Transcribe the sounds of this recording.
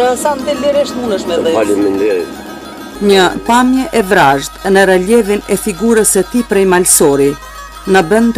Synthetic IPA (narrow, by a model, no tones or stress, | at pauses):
sand̪iliɾiəʃt̪munəʃmɛɛalumɛnd̪ɛɾḭ | ɲəpamjɛʔɛvɾaʒt̪nəɾalɛvinɛfiɡuɾəsət̪ipɾɛjmalsɔɾi | nəbənt̪